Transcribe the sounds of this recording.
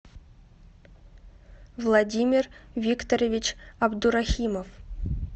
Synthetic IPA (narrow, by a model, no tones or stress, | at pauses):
vlˠadʲimʲirvʲikt̪oɾʲevʲit͡ɕɑbd̪uɾaxʲimof